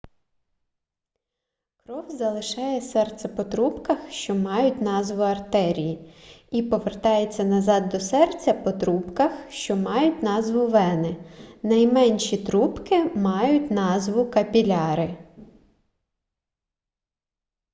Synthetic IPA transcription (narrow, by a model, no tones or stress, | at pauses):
kɾɔwzɐlˠɪʃɑjɛsɛrt̪sɛpɔt̪ɾupkɐxʃt͡ʃɔmɑjʊtʲn̪ɑzʋʊɐrt̪ɛɾʲijiipɔʋert̪ɑjet͡sʲːɐnɐzɑd̪ːɔsɛrt͡sʲɐpɔt̪ɾupkɐxʃt͡ʃɔmɑjʊtʲnɑzʋʊʋɛnɪnɐjmɛnʲʃit̪ɾupkɪmɑjʊtʲnɑzʋʊkɐpʲilʲɑɾɪ